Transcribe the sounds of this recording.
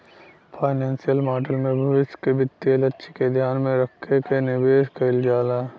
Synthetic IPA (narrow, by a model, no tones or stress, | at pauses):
pʰaːɪneːnsijəlmaːʈəlmẽbʱɐʋɪskebɪt̪ːelətːʃʰiked̪ʱjaːnmẽɾəkʰːekenɪʋeːʃkɐɪld͡ʒaːlaː